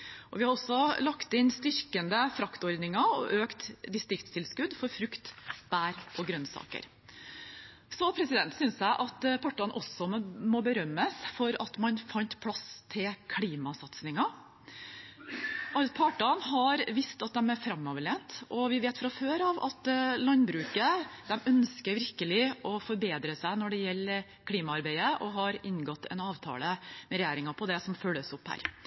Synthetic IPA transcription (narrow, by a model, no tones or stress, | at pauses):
ʔɔʋɪhɑɾɔsːɔlɑkt̪ɪnst̪ʏɾkənd̪əfɾɑkt̪ɔɾd̪nɪŋɑɔ̰ʔøːkt̪d̪ɪst̪ɾɪkt̪st̪ʰɪlskʉd̪fɔɾfɾʉkt̪b̥æːɾʔɔɡɾœnsɑ̰ːkə̰ɾ | sɔpʰɾɛsɪd̪ɛnt̪sʏnsjæɪʔɑt̪pʰɑʈːɑnʔɔsɔmɔbəɾœmːəsfɔɾɑt̪mɑnfɑnt̪pʰlɑst̪ʰɪlkʰliːmɑsɑt̪snɪŋɑ | ʔɑpʰɑʈɑnɦɑɾʋɪst̪ɑt̪̚d̪ɛmæɾfɾɑmːɑʋɭeːnt̪ʔɔʋɪʋeːt̪fɾɑføːɾɑʋɑ̰t̪lɑnbɾʉːkəd̪ɛmœnskəɾʋɪɾkəlɪʔɔfɔɾbeːd̪ɾəsæɪnɔɖɛjɛlːəɾ | kʰliːmɑɑɾbæɪəʔɔɦɑɾɪnɡɔt̪ːɛ̰nɑːʋt̪ʰɑ̰ːləmɛɾɛjæːɾɪŋɑpʰɔd̪ɛsɔmfœlːəsʊphæ̰ːɾ